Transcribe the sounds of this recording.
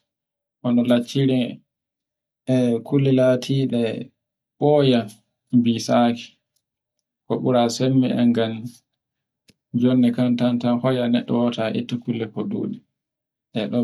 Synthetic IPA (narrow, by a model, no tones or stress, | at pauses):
ʔɔnɔlat͡ʃːiɾi | ɛkʰulːɛlatʰiːɗɛ | ɓɔja | bisaki̥ | kɔɓuɾasemːɛɛ̰ŋɡan | d͡ʒɔnːɛkantantanhɔjanɛɗːɔwɔtaʔḭtːakulːɛkɔɗṵːɗi | ʔɛɗɔ